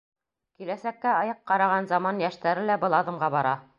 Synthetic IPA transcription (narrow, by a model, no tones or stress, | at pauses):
kilæsækːæɑjɤqːɑɾɑʁɑnzɑmɑnjæʃt̪æɾɘlæbɤ̆lˠɑðɤ̆mʁɑbɑɾɑ